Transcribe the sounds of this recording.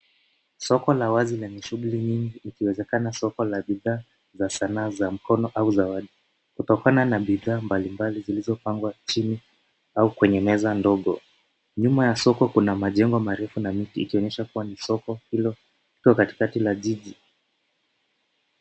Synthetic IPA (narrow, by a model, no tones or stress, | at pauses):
sɔkɔlawazilɛɲɛʃuɠuliɲiŋɡiikiwɛzɛkanasɔkɔlaɓiðaː | zasanaːzam̩kɔnɔʔauzawaɗi | kutɔkananaɓiðaːmbalimbalizilizɔpaŋɡwat͡ʃini | aukwɛɲɛmɛzandɔɠɔ | ɲumajasɔkɔkunamaʄɛŋɡɔmaɾɛfunamitḭːkiɔɲɛʃakuwanisɔkɔhilɔ | likɔkati̥katilaʄiʄi